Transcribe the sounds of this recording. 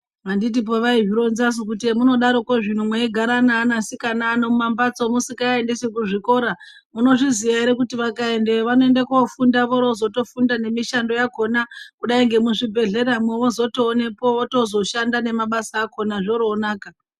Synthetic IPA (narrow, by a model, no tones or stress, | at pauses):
andit̬ip̬oʋaiɦiɾo̞nzas̬ukut̬imuno̞ɗaɾo̞koʐin̤umweiɡʱaɾanaːnasikanaːnomumambat͡so̞musikaendesek̬uʐiko̞ɾa | muno̞ʐiziʋaeɾekutiʋakae̞ndeʋano̞endakofundaʋoɾozo̞to̞fundane̞miʃando̞jako̞nakuɗaiŋɡe̞muʐibʱe̞ɮe̞ɾamoʋozo̞toːne̞po̞ʋoto̞zo̞ʃandane̞maɓasaːko̞naʐo̞ɾoːnaːka